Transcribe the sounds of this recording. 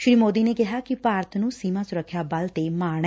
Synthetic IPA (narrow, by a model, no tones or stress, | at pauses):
ʃɾiːmoːd̪iːneːkɪɦaːkɪpaːɾət̪nũːsiːmãːsʊɾəkʰːjaːbəlt̪eːmaːɽ̃ɛ